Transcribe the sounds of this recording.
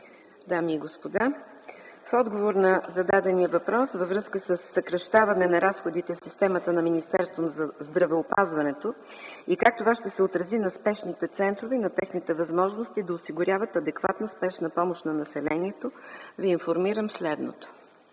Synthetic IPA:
d̪amiːɡospod̪a | fɔd̪ɡovoɾnɐzɐd̪ad̪ɛnijəvɐpɾɔsvəvɾɤskəsəsːɐkɾɐʃt̪avɐnɛnɐɾasxod̪it̪ɛfsist̪ɛmət̪ənɐminist̪ɛɾst̪vonzzd̪ɾɐvɛopazvɐnɛt̪o | ikak̚t̪ovaʃt̪ɛsɛot̪ɾɐzinɐspɛʃnit̪ɛt̪sɛnt̪ɾovinɐt̪ɛxnit̪ɛvɐzmɔʒnost̪id̪ɐosiɡʊɾʲavət̪ɐd̪ɛkva̰t̪nəspɛʃnəpɔmoʃnɐnɐsɛlɛniɛt̪oviːnfoɾmiɾəmslɛd̪no̰t̪o̥

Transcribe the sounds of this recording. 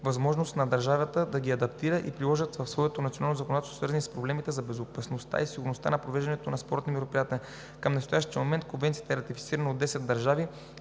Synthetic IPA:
vɐzmɔʒnost̪nɐd̪ɐɾʒavət̪əd̪ɐɡʲiɐd̪ɐpt̪iɾəʔḭpɾilˠɔʒət̪vɐfsvɔɛt̪onɐt̪sionalˠnozəkond̪at̪ɛsosvəɾzɐnɛspɾoblɛmit̪ɛzɐbɛzopɐsnost̪a̰isiɡʊɾnost̪a̰nɐpɾovɛʒd̪ɛnɛt̪onɐspɔɾt̪nimɛɾopɾijat̪ɛljɛ | kəmnɛst̪ojaʃt̪iəmomɛnt̪̚konvɛnt̪sijət̪əɛɾɐt̪ifit̪siɾənəod̪ːɛsɛd̪d̪ɐɾʒavi

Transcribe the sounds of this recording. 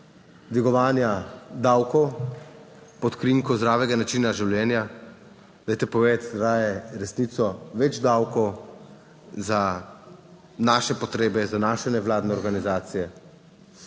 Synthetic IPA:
d̪ʋiɡɔʋaːnjad̪aːwkɔw | pɔt̪kɾiŋkɔzd̪ɾaːʋɛɡanat͡ʃiːnaʒiwljɛːnja | d̪ajt̪ɛpɔʋet̪ɾaːjɛɾɛsnit̪sɔʋɛd͡ʒd̪awkɔw | za | naːʃɛpɔt̪ɾeːbɛzanaːʃɛnɛʋlaːd̪nɛɔɾɡanizaːt̪sijɛ

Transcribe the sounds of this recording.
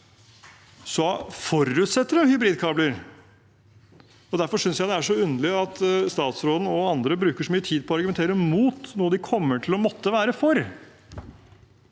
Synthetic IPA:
sɔfɔɾʉt̪sɛt̪ːəɾəhʏbɾiːd̪̚kʰɑːbləɾ | ɔd̪æɾfɔʂʏnsjæɪd̪ɛæʂɔʉnəlɪɑt̪st̪ɑːt̪sɾoːd̪n̩ɔɑnd̪ɾəbɾʉːkəʂɔmyːət̪ʰiːd̪̚pʰɔɑɾɡʉmɛnt̪ʰeːɾəmuːt̪nuːəd̪ɪkʰɔmːəʈʰɪlɔmɔt̪ːəʋæːɾəfɔɾ

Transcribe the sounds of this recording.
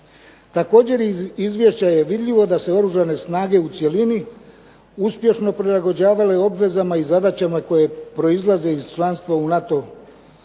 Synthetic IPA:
t̪ako̞ːd͡ʑe̞ɾizʋʲje̞ʃt͡ɕaje̞ʋid̪ʎʲiʋo̞d̪ase̞o̞ɾuʒane̞snaːɡe̞ut̪sje̞lini | uspje̞ʃno̞pɾilˠaɡo̞d͡ʑaːʋale̞o̞bʋe̞zamaizad̪at͡ɕamako̞je̞pɾo̞izlˠaze̞iz̥t͡ʃlˠanst̪ʋaunat̪o̞

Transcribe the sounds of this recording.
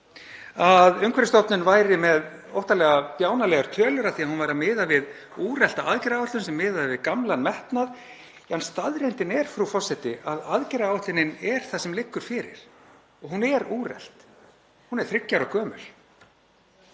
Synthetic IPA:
aðʏŋkvɛɾɪst̪ɔt̪nʏnvaːjɾɪmɛð | o̰wht̪alɛːɣapjaːwnalɛːɣaɾ̥t̪ʰœːlʏɾaðθiaðhunvajɾamɪːðavɪð | uːrɛl̥t̪aʔaðcɪɾaːvɛht̪ʏnsɛmːɪːðavɪðkamlanmɛht̪nað | anst̪aðɾejnt̪ɪnɛɾ̥fɾufɔrsɛht̪ɪʔaðaðcɛɾaaːwɛht̪ɪnɪnɛɾ̥θasɛmlɪkːʏɾ̥fɪːɾɪ̰ɾ̥ | ɔɣɦunɛɾuːrɛ̰l̥t̪ | hunɛɾ̥θɾɪcːaɾɔkʰœːmʏ̰l

